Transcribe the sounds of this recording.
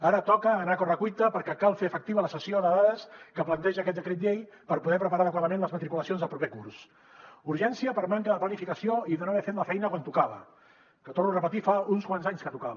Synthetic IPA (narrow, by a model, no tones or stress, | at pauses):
aɾət̪ɔkəːnakɔrəkujt̪əpəɾkɛkalˠfeəfək̚t̪iβələsəsioðəðaðəskəplənt̪ɛʒəːkɛt̪̚d̪əkɾɛt̪ʎej | pəɾpuðɛpɾəpaɾaːðəkwaðəmenləzmət̪ɾikuləsionzðəlˠpɾupekuɾs | uɾʒɛnsiəpəɾmaŋkəðəplənifikəsioiðənoaβɛfet̪ləfɛjnəkwant̪ukaβə̰ | kət̪ornurəpət̪ifaunskwanzaɲskət̪uka